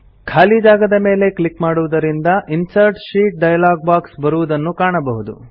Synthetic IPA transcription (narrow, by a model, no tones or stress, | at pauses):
kʰaːlid͡ʒaːɡɐd̪ɐme̞ːle̞klikmaːɽuʋud̪ɐɾind̪ɐʔinsɐɾʈʃiːʈ̚ɖɐjɐlaːɡ̚baːksbɐɾuʋud̪ɐnːukaːɳɐbɐɦud̪ṵ